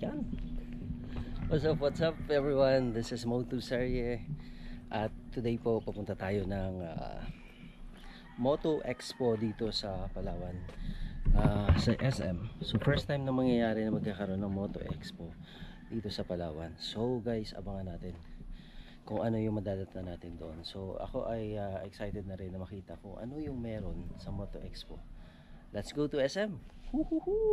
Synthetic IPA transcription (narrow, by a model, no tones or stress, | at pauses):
jan | wasɐpwat̪sɐpɛvɹiwɐnðɪsɪsmot̪usɛɹɛ | ʔɐt̪ːʊd̪ejpo̞pɐpʊnt̪ɐt̪aːjo̞nɐŋa̰ | mo̞t̪oʔɛkspo̞d̪iːt̪o̞sɐpɐlaːwɐnʔasɐʔɛsʔɛ̰msofɛɹst̪ːajmnɐŋmɐŋjɐjaːɾɛnɐmɐɡ̚kaːkɐɾoʔnɐŋmo̞t̪o̰ʔɛ̰kspo̞ | d̪iːt̪o̞sɐpɐla̰ːwɐnsowɡajsɐ̰baŋɐnaːt̪ɪn | kʊŋʔɐno̞jʊŋmɐd̪aːd̪ɐt̪ɐnaːt̪ɪnd̪oʔonso̞ʔɐ̰ko̞̰ʔɐjaʔɛksajt̪ɛd̪̚nɐɾɪnːɐmɐkiːt̪ɐkʊŋʔɐ̰no̞jʊŋmɛːɾo̞nsɐmo̞t̪o̞ʔɛkspo̞ | lɐt̪sɡowt̪ʊɛsʔɛmhuhuhu